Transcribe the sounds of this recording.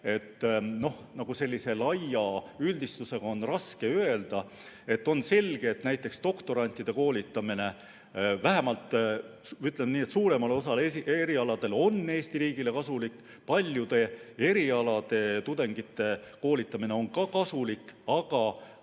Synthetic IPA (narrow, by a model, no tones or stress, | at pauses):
e̞t̪ːno̞hnɑɡ̥use̞lʲːise̞lɑjɑyld̪ist̪use̞ɡ̥ɑo̞nrɑske̞øe̞ld̪̥ɑ | e̞t̪ːo̞nse̞lʲɡ̥e̞ːt̪næjt̪ˑːe̞kst̪o̞kt̪o̞ɾɑnʲt̪ːˑid̪̥e̞ko̞ːlʲit̪ːˑɑmine̞ | væɦemɑlt̪ːˑ | yt̪ˑlenniːet̪suːɾe̞mɑlo̞s̬ɑleieɾiɑlɑd̪̥e̞lo̞nːe̞ːst̪iɾiːɡ̥ile̞kɑsulikː | pɑlʲjud̪̥e̞e̞ɾiɑlɑd̪̥e̞t̪ud̪̥e̞ŋɡit̪ːe̞ko̞ːlit̪ːˑɑmine̞o̞nkɑkɑsulikˑɑɡ̥ɑ